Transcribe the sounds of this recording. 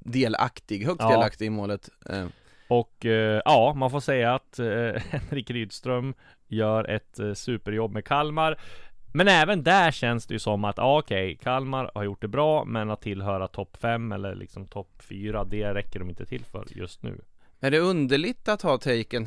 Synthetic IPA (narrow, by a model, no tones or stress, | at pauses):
d̪eːla̰kt̪ɪɡhœksd̪eːlak̚t̪ɪɡmoːlət̪ | ɔkʔɑːmanfoːsɛjːaːt̪hɛnɾɪkɾyːd̪st̪ɾœm | jœːɾʔɛ̰t̪sʉːpəɾjɔbːmɛkʰalmaɾmɛnɛːvənd̪æɕɛnsd̪ɛjɵsɔmːat̪ɑːɔkʰɛjkʰalmaɾha̰ɾjʊʈ̚ːɖ̪ɛbɾɑːmɛnat̪ʰːɪlɦœːɾat̪ʰɔpːfɛmːɛ̰lːə̰ɾɭʔɪ̰ksɔmt̪ʰɔpːfyːɾad̪ɛɾɛkːəɖɔmɪnt̪ət̪ʰɪlfœ̰ɾjɵ̰st̪nʉ̰ː | æɖɛɵnd̪əɭɪt̪at̪hɑːt̪ʰɛjkən